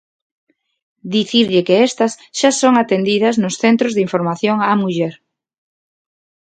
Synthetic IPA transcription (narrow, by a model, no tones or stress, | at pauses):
d̪iθiɾʎɪkeɛst̪ɐsʃasoŋat̪end̪iðɐznʊsθent̪ɾʊzðiɱfoɾmaθjoŋamuʎɛɾ